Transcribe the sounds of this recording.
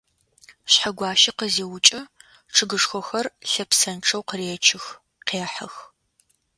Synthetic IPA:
ɕħaɡʷɑːʃɪqəzeːwʊt͡ʃʼɐ | ʈ͡ʂʰɨɡɨʂxʷɔxɐrɬɐpsɐnʈ͡ʂʰɐwqəreːt͡ʃʰɪx | qeːħɐ̰x

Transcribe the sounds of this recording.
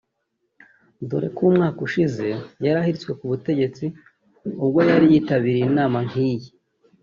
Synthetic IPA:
do̰ɾe̞̰kuːmŋaːkuʃize̞jaɾahiɾit͡swe̞kuβute̞ɟe̞t͡si | ub̚ɡo̞jaɾijiːtaβiɾijinaːmaŋiːji

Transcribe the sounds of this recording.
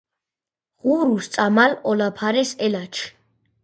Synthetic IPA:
ʁuɾust̪sʼamalɔlapʰaɾɛsɛlat͡ʃʰ

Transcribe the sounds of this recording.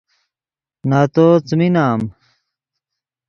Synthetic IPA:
naːt̪ot͡sminaːm

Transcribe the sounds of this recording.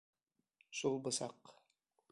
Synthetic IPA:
ʃulˠbɤ̆sɑq

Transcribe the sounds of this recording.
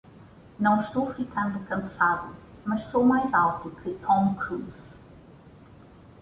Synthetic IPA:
nɐ̃w̃ʃt̪owfikɐ̃nd̪ukɐ̃saðu | mɐʃsowmajzalˠt̪ukʰɨt̪ʰɔ̃mkɾuz̥

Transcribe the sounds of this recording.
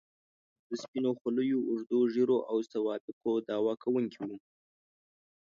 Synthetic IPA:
d̪̥əspinoxʊləjoʊʐd̪oʒeɾoʔawsawɑbɪqod̪ɑwɑkʰawuŋkʰiwu

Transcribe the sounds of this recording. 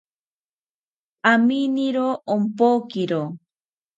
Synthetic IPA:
aminiɾoːmpokiɾo

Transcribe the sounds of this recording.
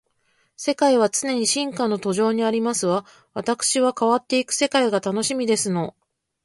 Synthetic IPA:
se̞kaiβ̞at͡sɨne̞ɲ̟iɕĩŋkano̞t̪o̞ʑo̞ːɲ̟iaɾʲimasɨβa | βat̪akɯ̥ɕiβakaβat̪ːe̞ikɯ̟̥se̞kaiɡat̪ano̞ɕimʲid̪e̞sɨno̞

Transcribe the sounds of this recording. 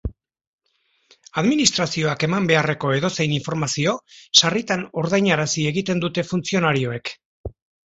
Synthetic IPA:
aðminist̪ɾasio̞ake̞mambe̞are̞ko̞e̞ðo̞se̞jniɱfo̞ɾmasio̞sarit̪ano̞ɾðajɲaɾasie̞ɣit̪e̞nd̪ut̪e̞funt͡sio̞naɾio̞e̞k

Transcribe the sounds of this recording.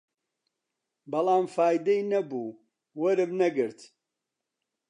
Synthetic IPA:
bɐlaːmfaːjd̪ɛjnɐbuː | wɐɾɨmnɐɡɨɾt̪ʰ

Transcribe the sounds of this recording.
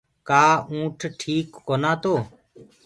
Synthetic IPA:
kaːũːʈʰʈʰiːkːoːnaːt̪oː

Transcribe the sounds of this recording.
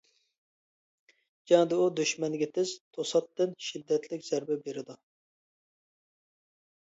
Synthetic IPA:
d͡ʒɑŋd̪ɪud̪yʃmɛnɡʲɛt̪ʰɪz̥t̪ʰosɑt̪ːɪnʃid̪ːɛt̪ʰlɪkʲz̥æɾbɛbeɾɪd̪u

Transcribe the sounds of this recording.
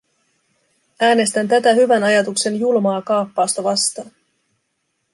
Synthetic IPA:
æːne̞st̪ænt̪æt̪æhyʋænɑjɑt̪ukse̞njulmɑːkɑːpːɑːst̪ɑʋɑst̪ɑːn

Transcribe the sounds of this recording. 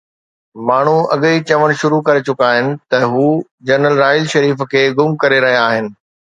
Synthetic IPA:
maːɳ̤uɐ̰ɠit͡ɕɐʋəɽ̃ʃʊɾukɐɾet͡ɕʊkaːɦɪnɪ̆t̪ɐɦuː | d͡ʑɐɾnəlɾaːɪlʃɐɾiːfkʰeːɡʊmkɐɾeɾɐɦijaaːɦɪnɪ̆

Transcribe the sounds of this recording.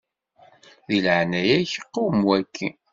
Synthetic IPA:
ðilʕnæjæçəqːuwmwækːi

